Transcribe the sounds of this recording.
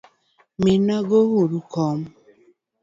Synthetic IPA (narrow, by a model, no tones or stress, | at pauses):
minaɡohuɾukɔm